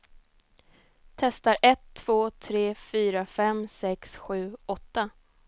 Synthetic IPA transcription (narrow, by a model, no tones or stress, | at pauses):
t̪ʰɛst̪aɾʔɛt̪ʰːv̥oːt̪ʰɾeːfyːɾafɛmsɛksɧʉ̟ːɔt̪ːa